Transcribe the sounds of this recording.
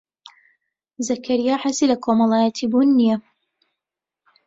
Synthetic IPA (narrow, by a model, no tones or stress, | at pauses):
zɐkʰɐɾijaːħasiːlɐkʰomɐlˠɑːjɐt̪ʰibunːijɛ